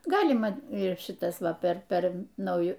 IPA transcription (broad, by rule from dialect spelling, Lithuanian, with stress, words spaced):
ˈɡɑːlʲɪmɐ ɪr ˈʃʲɪtɐs ˈʋɐ pʲɛr ˈpʲɛr nɐʊˈjʊ